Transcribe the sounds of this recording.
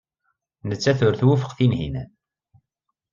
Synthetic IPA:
nət͡sːæθʊɾθwufə̥qθinhḭnæ

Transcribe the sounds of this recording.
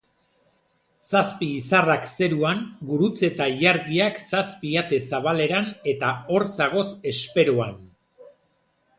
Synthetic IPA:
saspiːsarakse̞ɾuaŋɡuɾut͡se̞t̪aʎaɾðiaksaspiat̪e̞saβale̞ɾane̞t̪ao̞ɾsaɣ̞o̞se̞spe̞ɾoan

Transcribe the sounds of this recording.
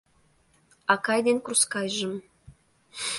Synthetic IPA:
ɑkɑjd̪enkruskɑjʒə̆m

